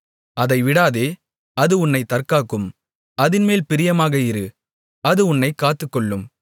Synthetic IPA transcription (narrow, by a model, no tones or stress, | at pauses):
ʔɐðɐɪʋɪɽaːðeː | ɐðɯʊnːɐɪt̪ɐrkaːkːɯm | ɐðɪnmeːlpɪɾɪjɐmaːɣɐɪɾɯ | ɐðɯʊnːɐɪkːaːt̪ːɯkːɔɭːɯm